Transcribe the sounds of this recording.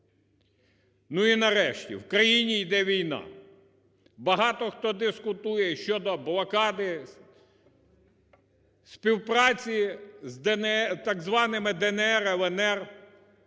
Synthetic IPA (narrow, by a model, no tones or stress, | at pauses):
nuinɐɾɛʃtʲḭwkɾɐjinʲijd̪ɛʋʲijnɑ̰ | bɐɦɑt̪ɔxt̪ɔd̪ɪskʊt̪ujɛʃʲt͡ʃɔd̪ɔblˠɐkɑd̪ɪ | spʲiwpɾɑt͡sʲizd̪ɛnt̪ɑɡzʋɑnɪmɪd̪ɛnɛɛɾɛlˠɛnɛr